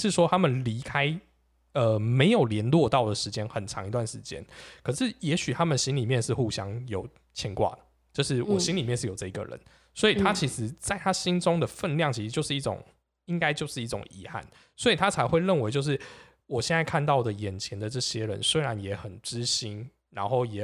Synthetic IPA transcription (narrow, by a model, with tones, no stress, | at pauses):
ʂɻ̩˥˩ʂwɔ˥t̪ʰa˥mə˨nli˧˥kʰa˥ɪ | ə˧me˧˥ɪjo˨˩ʊljɛ˧˥nlwɔ˥˧t̪ɑ˥˩ʊd̪ə˩ʂɻ̩˧˥t͡ɕjɛ˥nxə˨˩nʈ͡ʂʰɑ̰˧˥ŋi˧t̪wa˥˩nʂɻ̩˧˦t͡ɕjɛ̰˦˥nkʰɤ˨˩ʂɻ̩˥˩jɛ˧˥ɕy˨˩t̪ʰa˦˥mə˨n˩ɕi˦nli˨˩mjɛ˥˧nʂɻ̩˥˧xu˥˩ɕjɑ˦˥ŋjo˨˩˦ʊ | t͡ɕʰi˧˥ŋkwa̰˥˩d̪ə˩ | t͡ɕjo˥˧ʊʂɻ̩˥˩wɔ˨˩ɕi˦nli˨mjɛ˥˧nʂɻ̩˥˩jo˨˩ʊʈ͡ʂɤ˥˩i˧˥ɡə̰˨ɻə̰˧˦n | swɔ˧˥i˨˩t̪ʰa˦t͡ɕʰi˧˥ʂɻ̩˧˦t͡sa˥˩ɪt̪ʰa˥ɕi˦nʈ͡ʂʊ˥ŋd̪ə˨fə˥˧nljɑ˥˨ŋt͡ɕʰi˧ʂ̩˧˥t͡ɕjo˥˧ʊʂɻ̩˥˩i˥˩ʈ͡ʂʊ̰˨˩ŋ | i˦ŋka˥ɪt͡ɕjo˥˧ʊʂɻ̩˥˧i˥˩ʈ͡ʂʊ̰˨˩ŋḭ˧˥xa̰˥˩n | swɔ˧˥i˨˩t̪ʰa˥t͡sʰa˧˥ɪxwe˥˧ɪɻə˥˨nwe˧˥ɪt͡ɕjo˥˧ʊʂ̬ɻ̩˥˩ | wɔ˨˩ɕjɛ˥˧nt͡sa˥˧ɪkʰa˥˧nt̪̬ɑ˥˩ʊd̪ə˩jɛ˨˩nt͡ɕʰjɛ˧˦nd̪ə˨ʈ͡ʂɤ˥˩ɕjɛ˦ɻə̰˧˦nswe˥ɪɻa˧˦njɛ˧˥xə˨˩nʈ͡ʂɻ̩˦ɕi˥n | ɻa̰˧˥nxo˥˩ʊjɛ˨˩